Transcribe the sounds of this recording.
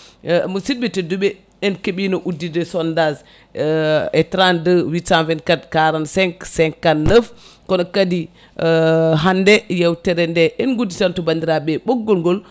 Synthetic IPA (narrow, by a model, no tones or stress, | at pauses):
mɔsidbitɛduɓɛ | ɛnkeɓinɔʔudːidɛsɔndaz | ɛtɾandəwitanvɛnkatkaɾansɛŋksɛŋkːanːəfkɔnɔkadi | ɦandɛjɛwtɛɾɛndɛʔɛnɡuditantɔbandiɾaɓɛɓɔɡːɔlɡɔl